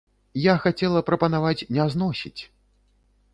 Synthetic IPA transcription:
jaxat͡sʲɛlˠɐpɾɐpɐnavat͡sʲnʲɛznɔsʲḭt͡sʲ

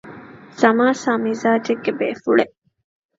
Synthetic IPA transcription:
sɐmaːsaːmizaːd͡ʒeɡːebeːfuɭeʔ

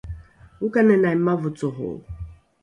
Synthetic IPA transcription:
ukanenamavʊtʊɦʊ̰

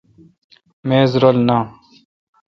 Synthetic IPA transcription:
meːzɾolnaː

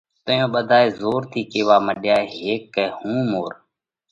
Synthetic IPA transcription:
t̪əjõːɓəd̪ʱaːeːzoːɾt̪ʰiːkeːʋaːməɗɪjaːeɦeːkːɛːhũːmoːɾ

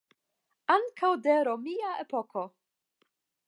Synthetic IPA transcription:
aŋkʰawd̪eɾomiaepoko̞

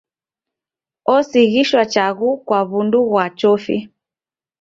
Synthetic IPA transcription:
ɔsiɣiʃwat͡ʃaɣukwaβunduɣwat͡ʃɔfḭ

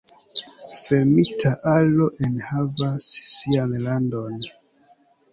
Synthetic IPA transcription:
fe̞ɾmitʰaʔalo̞ʔenhavasːianlando̞n

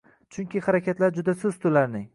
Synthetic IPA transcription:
t͡ʃʰʊŋkʲʰɪχaɾakʲat̪laɾd͡ʒʊd̪asʊzt̪ʰʊlaɾnɪŋ

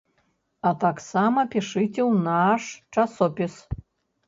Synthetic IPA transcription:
ɐt̪aksamɐpʲiʂɨt͡sʲɛwnaʂt͡ʂasɔpʲis

